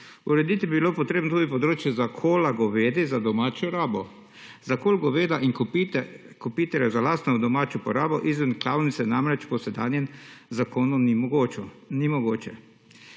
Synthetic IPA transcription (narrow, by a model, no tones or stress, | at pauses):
uɾɛd̪it̪ibibilopɔt̪ɾeːbnot̪uːɡipɔd̪ɾoːt͡ʃjɛzakʰoːlaɡɔʋeːd̪izad̪ɔmaːt͡ʃɔɾabɔ | zakoːlɡɔʋed̪aʔin | kupit̪ɛɾjazalaːst̪nɔd̪ɔmaːt͡ʃjɔpɔɾaːbɔʔizʋənklaːwnit̪sɛnamɾɛt͡ʃpɔsɛd̪a̰ːnjɛnzakoːnu | nimɔɡoːt͡ʃɛ